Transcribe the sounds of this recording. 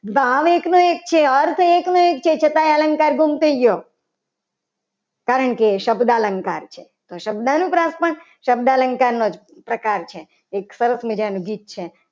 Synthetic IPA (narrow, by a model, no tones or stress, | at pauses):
baʋeknoek̚t͡ʃʰeəɾt̪ʰeknoek̚t͡ʃʰet͡ʃʰət̪ajalə̃ŋkaɾɡumt̪ʰəiɡjo | kaɾəɳkeʃəbd̪aləŋkaɾt͡ʃʰe | t̪oʃəbd̪anũpɾãspəɳ | ʃəb̚d̪aləŋkaɾnod͡ʒ | pɾəkaɾt͡ʃʰeː | ksəɾəsmid͡ʒanũɡiːt̪̚t͡ʃʰe